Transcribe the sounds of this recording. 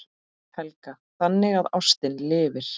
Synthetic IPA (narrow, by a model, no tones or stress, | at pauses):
hɛlka | θanːɪɣaðawst̪ɪnlɪːvɪɾ̥